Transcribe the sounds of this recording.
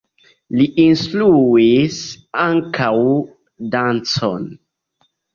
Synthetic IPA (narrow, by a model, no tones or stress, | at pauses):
liʔinstluis | aŋkaw | dant͡so̰n